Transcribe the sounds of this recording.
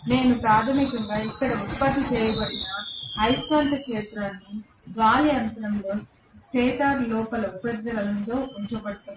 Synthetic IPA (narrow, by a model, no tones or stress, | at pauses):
ne̞ːnupɾaːd̪ʱɐmikɐŋɡaːikːɐɽɐut̪̚pɐt̪ːit͡ʃɛːjɐbɐɽinɐhɐjskɐːnʈ̪ɐkʂeːt̪ɾaːnːi | ɡaːlijɐnt̪ɐɾɐnloː | t͡ʃɛːt̪aːɾlɔːpɐlɐupɾɐd̪ːɐlɐlɐnt̪o̞ːʔuɲt͡ʃɐbɐɽt̪aː